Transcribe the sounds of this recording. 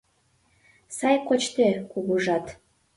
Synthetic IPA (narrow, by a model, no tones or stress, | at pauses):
sɑjqot͡ɕt̪ekuɡuʒɑt̪